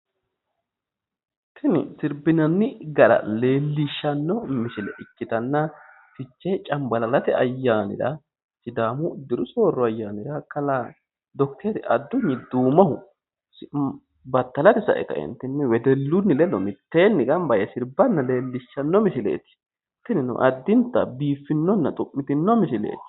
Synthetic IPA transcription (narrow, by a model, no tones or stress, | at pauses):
ɪ | t̪ʰːɪnɪ̰sɪɾbɪnɐnːɪɡɐɾɐ̰le̞ːlːɪʃːɐnːɔmɪʃɪlɛʔɪkːɪt̪ɐnːɐ | fɪt͡ʃːɛt͡ʃʼɐmbɐlɐlɐt̪ɛɐjːaːnɪ̰ɾɐ̰ | sɪd̪aːmʊd̪ɪɾʊso̞ːrːɔɐjːaːnɪɾɐkɐla | d̪ɔk̚t̪ʰɛɾɪʔɐd̪ːʊɲːɪd̪uːmɐɦʊ | s | bɐt̪ːɐlɐt̪ɪsɐ̰ʔɛ̰t̪ɐ̰ɪ̰nt̪ːɪnːɪwɛd̪ɛlːʊnːɪlɛlːɔmɪt̪ːeːnːɪɡɐnbɐjɐsɪɾbɐnːɐle̞ːlːɪʃːɐnːɔmɪʃɪlḛːt̪ɪ̥ | t̪ːɪnɪnʊ̰ʔɐd̪ːɪnt̪ːɐbiːfːɪnːɔnːɐt̪ʼʊʔːɪt̪ɪnːɔmɪʃɪlḛːt̪ɪ̥